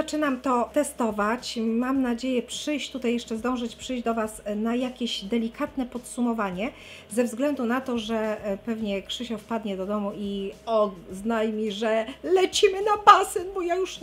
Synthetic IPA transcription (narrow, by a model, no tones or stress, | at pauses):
zat͡ʂɘnamt̪ɔt̪ɛst̪ɔvat͡ɕmamnad͡ʑejɛpʂɘjɕt̪ut̪ajɛʂt͡ʂɛzd̪ɔ̃w̃ʐɨt͡ɕpʂɘjd͡ʑd̪ɔvasnajakʲeʑd̪ɛlʲikʰat̪nɛpɔt̪sumɔvaɲɛ | zɛvzɡlɛnd̪unat̪ɔʐɛpɛvɲɛkʂɘɕɔfpad̪ɲɛd̪ɔd̪ɔmuiɔznajmʲiʐɛlɛt͡ɕimɘnabasɘnbɔjajuʂ